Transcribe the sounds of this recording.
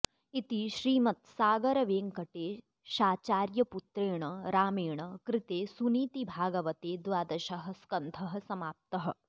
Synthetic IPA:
it̪iʃɾiːmɐt̪saːɡɐɾɐʋeːŋkɐʈeː | ʃaːt͡ʃaːɾjɐput̪ɾeːɳɐɾaːmeːɳɐkɾɪt̪eːsuniːt̪ibʱaːɡɐʋɐt̪eːd̪ʋaːd̪ɐʃɐɦɐ̆skɐnd̪ʰʱɐɦɐ̆sɐmaːp̚t̪ɐɦɐ̆

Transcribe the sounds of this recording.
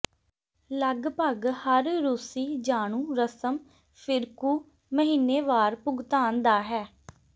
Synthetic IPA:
ləɡbəɡhəɾːuːsiːd͡ʒaːɳ̃ũːɾəsəm | pʰɪɾkuː | məɦiːneːʋaːɾpʊɡt̪aːnd̪aːɦɛː

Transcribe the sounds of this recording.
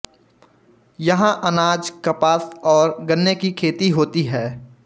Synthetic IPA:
jɐɦãʔɐnaːd͡ʒkɐpaːsɔːɾɡɐnːjekikʰeːt̪iɦoːt̪iɦɛː

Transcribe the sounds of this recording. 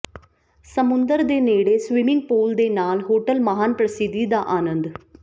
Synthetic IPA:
səmʊnd̪əɾd̪eːneːɽeːsʋɪmɪ̃ŋɡ̚poːld̪eːnaːlɦoːʈəlməɦaːnpɾəsɪd̪ːiːd̪aːʔaːnənd̪

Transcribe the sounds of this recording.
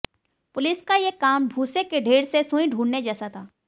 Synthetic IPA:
pʊlɪskajekaːmbʱuːsekeɖʱeːɽsesũĩɖʱuːɽned͡ʒɛːsat̪ʰaː

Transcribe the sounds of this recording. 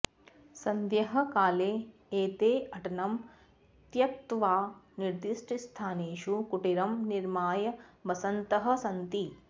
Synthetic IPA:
sɐnd̪jɐɦɐ̆kaːleːeːt̪eːɐʈɐnɐm | t̪jɐk̚t̪ʋaːniɾd̪iʂʈist̪ʰaːneːʃukuʈiɾɐmniɾmaːjɐbɐsɐnt̪ɐɦɐ̆sɐnt̪i

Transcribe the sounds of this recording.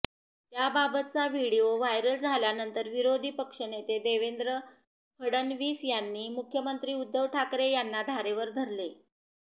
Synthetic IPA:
t̪jababət̪̚t͡saʋiɽioʋajɾəld͡zʱaljanənt̪əɾʋiɾod̪ʱiːpəkʂənet̪ed̪eʋend̪ɾə | kʰəɽənʋiːsjanːiːmukʰjəmənt̪ɾiːud̪ːəʋʈʰakɾejanːad̪ʱaɾeʋəɾd̪ʱəɾle

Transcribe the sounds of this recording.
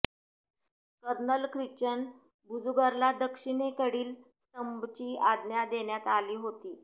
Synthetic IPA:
kəɾɳəlkɾit͡ɕən | bʱud͡zuɡaɾlad̪əkʂiɳekəɽiːlst̪əmbt͡ɕiːad̪njad̪eɳjat̪aliːɦot̪iː

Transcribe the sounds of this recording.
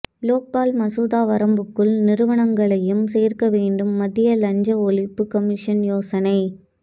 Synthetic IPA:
loːk̚baːlmɐsuːðaːʋɐɾɐmbɯkːɯɭnɪɾɯʋɐɳɐŋɡɐɭɐjɯmseːrkɐʋeːɳɖɯmːɐðɪjɐlɐɲd͡ʒɐɔɭɪpːɯkɐmɪʂɐnjoːsɐnɐɪ

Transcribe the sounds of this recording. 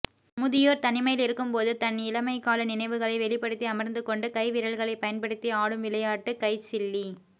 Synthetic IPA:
mʊðɪjoːɾt̪ɐnɪmɐjɪlɪɾɯkːɯmpoːðɯt̪ɐnɪlɐmɐɪkːaːlɐnɪnɐɪʋɯɣɐɭɐɪʋɛɭɪpːɐɽɯt̪ːiɐmɐɾnd̪ɯkɔɳɖɯkɐɪʋɪɾɐɭɣɐɭɐɪpːɐjɐnpɐɽɯt̪ːiaːɽɯmʋɪlɐjaːʈːɯkɐɪt͡ʃɪlːi

